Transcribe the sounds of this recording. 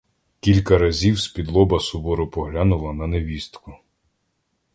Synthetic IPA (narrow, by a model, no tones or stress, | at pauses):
kʲilʲkɐɾɐzʲiwsʲpʲid̪lˠɔbɐsʊbɔɾʊpɔɦlʲanʊlˠɐnɐneʋʲist̪kʊ